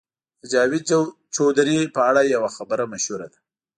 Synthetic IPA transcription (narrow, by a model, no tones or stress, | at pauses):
d̪əd͡ʒɑwɪd̪̚ | t͡ʃod̪ɾipəaɽajawaxabəɾamaʃhuɾa̰d̪a